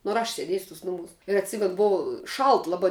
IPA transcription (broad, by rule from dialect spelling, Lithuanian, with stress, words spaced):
nʊ ɐr ˈɐʃ sʲeːˈdʲeːsʲʊ tʊs ˈnʊmuːs ɪr ɐtʲˈsʲɪmʲɛnʊ ˈbʊʋoː ˈʃɐlˠt lˠɐˈbɐɪ